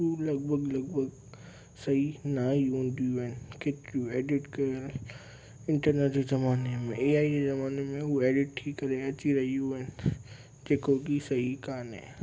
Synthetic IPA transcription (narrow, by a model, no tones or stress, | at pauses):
ɦulɐɡ̚bʱəɡlɐɡbʱəɡ | sɐɦinaɦiɦũːnd̪ijuɦɪnɪkeːt̪ɪɾjueːɖɪʈkɐəl | ɪ̃ɳʈəɾneːʈezɐmaːnemẽeːaːid͡ʑezɐmaːnemẽɦueːɖɪʈ̚ʈʰikːɐɾeɐt͡ɕiɾɐɦijuɦɪnɪ̆ | d͡ʑeːkokisɐɦikaːnɦɛ̰̃ː